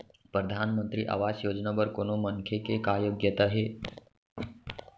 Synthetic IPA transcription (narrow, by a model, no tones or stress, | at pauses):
pɾəd̪ʱanmənt̪ɾḭːʔa̰ʋasjoːd͡ʒnabəɾkonoməŋkʰjekekajoɡjət̪aɦe